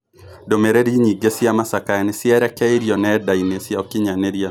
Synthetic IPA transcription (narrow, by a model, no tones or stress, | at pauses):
domeɾeɾiɲiɡesiamasakajanɪsɪɛɾɛkɛiɾiɔnɛdainesjaokiɲaneɾia